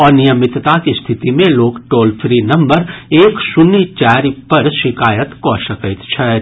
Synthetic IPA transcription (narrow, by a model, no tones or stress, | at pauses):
ɔːɾnijəmɪt̪t̪akist̪ʰɪt̪imẽloːkʈoːlpʰɾinɐ̃mbəɾeːksʊnːit͡ʃɛːɾpɐɾʃɪkaːjət̪kɔʃəkət̪t͡ʃʰɛː